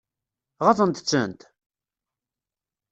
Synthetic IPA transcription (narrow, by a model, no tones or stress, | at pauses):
ʁɑθˤənt̪t͡sːə̰nt̪